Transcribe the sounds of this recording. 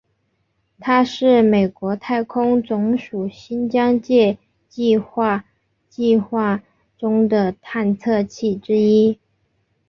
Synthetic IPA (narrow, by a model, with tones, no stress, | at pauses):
t̪ʰa˥ʂɻ̩˥˩me˨˩ɪkwɔ˧˥t̪ʰa˥˩ɪkʰʊ˥ŋt͡sʊ˧˥ŋʂu˨˩ɕi˥nt͡ɕjɑ˥ŋt͡ɕjɛ˥˧ | t͡ɕi˥˧xwa˥˩˧ | t͡ɕi˥˧xwa˥˩ | ʈ͡ʂʊ˥ŋd̪ə˨t̪ʰa˥˧nt͡sʰɤ˥˧t͡ɕʰi˥˩ʈ͡ʂɻ̩˥i˥